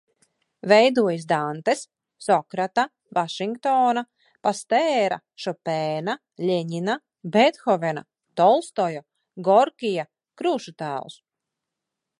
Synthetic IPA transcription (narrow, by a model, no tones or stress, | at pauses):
vɛjd̪uɔjisd̪ant̪es | sɔkɾat̪a | vaʃiŋkt̪ɔːna | past̪ɛːɾa̰ | ʃɔpɛːna | lʲɛɲina | bɛt̪xɔvɛna̰ | t̪ɔlˠst̪ɔjɔ | ɡɔɾkʲija | kɾuːʃut̪æːlˠs